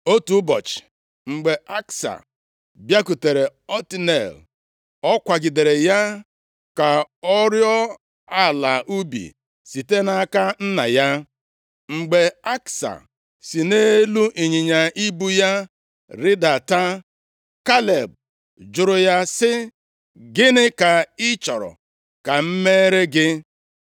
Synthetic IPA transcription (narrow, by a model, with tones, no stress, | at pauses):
o˦tu˨˦bɔ˨t͡ʃɪ̥˨ | ŋ͡m̩˨ɡ͡be˨ʔa˦ksa̰˨ | bja˦ku˨te˨ɾe˨ɔ˦ti˦nḛ˨l | ɔ˦kʷa˨ɡɪ˨de˨ɾe˨ja˦ | ka˨ɔ˦ɾjɔ˦ | a˦˨la˨ʔu˦bḭ˨ | si˨te˦na˦ka˦n̩˦na̰˨ja˦ | ŋ͡m̩˨ɡ͡be˨a˦ksa̰˨ | si˨ne˦lu˦ʔi˨ɲi˨ɲa˨i˦bu˦ja˦ | ɾɪ˦da˨ta˦ | ka˦le˨b̚ | d͡ʒʊ˨ɾʊ˨ja˦sɪ˦ | ɡɪ˦nɪ˦ka˨ɪ˦t͡ʃɔ˨ɾɔ̰˨ | ka˨m̩˦me˦ɾe˦ɡɪ˦